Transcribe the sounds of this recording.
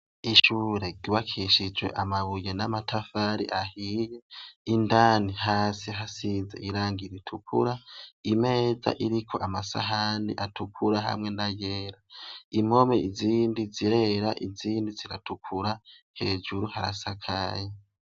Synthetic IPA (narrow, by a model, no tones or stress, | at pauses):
iʃuːɾe̞ɡiβakʰiʃid͡ʒwe̞̰ʔamaβujenamatʰafaɾḭʔahije̞indaːnihaːsiɦasize̞̰ʔiɾaːŋɡiɾitʰukʰṵɾaime̞ːza̰ʔiɾikʰo̞ʔamasa̰ɦaːniʔatukʰuɾaɦa̰mŋe̞najeːɾaimo̞meiziːndiziɾe̞ɾaʔiziːndiziɾatukʰuɾa | he̞ːd͡ʒuɾuhaɾa̰sakʰaje